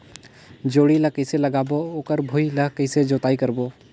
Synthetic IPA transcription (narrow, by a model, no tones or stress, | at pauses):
d͡ʒoːɽiləkəɪselɐɡaːbooːkəɾbʱoiləkəɪsed͡ʒoːt̪aːikəɾboː